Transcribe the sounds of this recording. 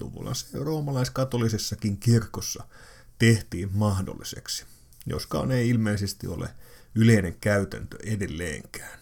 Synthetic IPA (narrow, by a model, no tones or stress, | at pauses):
t̪ṵʋo̰lːɑ̰nseroːmɑlɑiskɑt̪olisesːɑkiŋkirkosːɑ | t̪eht̪iːmmɑhdo̰lːˑisḛksi̥ | jo̰skɑ̰ːneiilmeisest̪io̰lḛyleineŋkæyt̪ænt̪ø̰ʔedelːḛːŋkæ̥ːn